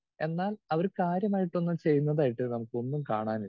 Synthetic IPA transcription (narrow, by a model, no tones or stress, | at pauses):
e̞nːaːlɐʋɐɾkaːɾjɐmaːjiʈːonːɐmt͡ɕe̞jːunːɐðaːjiʈːɨnɐmukːɨo̞nːumka̰ːɳaːniɭ